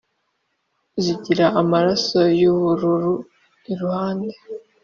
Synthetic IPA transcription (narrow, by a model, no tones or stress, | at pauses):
ziɟiɾaʔamaɾaso̞juβuɾuɾu | niɾuhaːnde̞